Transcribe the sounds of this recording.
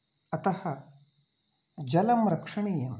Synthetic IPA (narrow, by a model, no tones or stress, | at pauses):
ɐt̪ɐhɐ | d͡ʑɐlɐmɾɐkʂɐɳijem